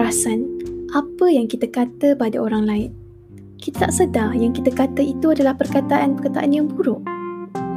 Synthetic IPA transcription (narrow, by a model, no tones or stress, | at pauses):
asanʔapəjaŋkit̪əkat̪əpadaoɾaŋlaɪn̚ | kit̪ət̪aʔsədajaŋkit̪əkat̪əit̪uadalahpərkat̪aʔanpəkat̪aʔanjaŋbuɾʊʔ